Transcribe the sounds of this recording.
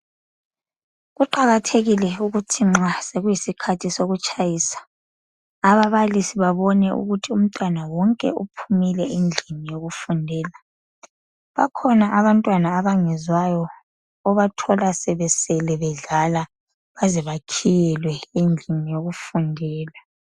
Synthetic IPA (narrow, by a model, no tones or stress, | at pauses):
ɣuǃaɣatʰeɣilɛuɣutʰiŋ͡ǁaseɣujisikʰatʰisoɣut͡ʃʼajiːsḁ | aβaβalisiβaβɔnɛʔṵɣutʰium̩tʼwanawɔŋkʼɛ̰ʔupʰumilɛʔind͡ɮʱinijoɣufundʱɛːla | βakʰɔnaʔaβantʼwanaːβaŋɛzwajɔː | βatʰɔlasɛβɛsɛlɛβɛɮala | βazɛβakʰijɛlwɛind͡ɮʱinijoɣufundʱɛːla